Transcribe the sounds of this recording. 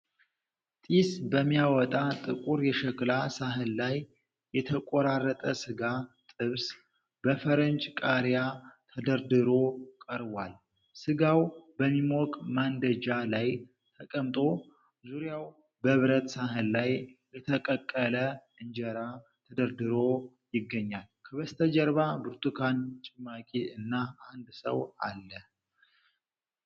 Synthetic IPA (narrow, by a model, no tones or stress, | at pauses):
t̪ʼisbəmːijawɔt̪ʼat̪ʼɨkʼuɾjɛʃɛklasaɦɨnlajː | ɛt̪ʰəkʼoɾarːət̪ʼəsɨɡat̪ʼɨβs | bəfəɾənt͡ʃʼkʼaɾjat̪ʰəd̪əɾd̪ɨɾo̞kʼəɾβal | sɨɡawbəmːimɔkʼmand̪əd͡ʒalaj | t̪ʰəkʼəmt̪ʼo̞ | zuɾjaw | bəɨβɾət̪saɦɨllajlət̪ʰəkʼəkʼːələʔɨɲd͡ʒɛɾa | t̪ʰəd̪əɾd̪ɨɾo̞ | jɪɡːəɲːalkʰəβəst̪ʰəd͡ʒəɾβabɨɾt̪ʰʼukʰant͡ʃʼɪmːakʼiɨnːaand̪sə̰wa̰lːə